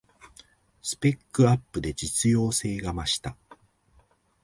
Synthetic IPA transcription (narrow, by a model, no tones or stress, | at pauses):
sɨ̥pe̞kːɯ̟apːɯ̟d̪e̞d͡ʑit͡sɨjo̞ːse̞ːɡamaɕi̥t̪a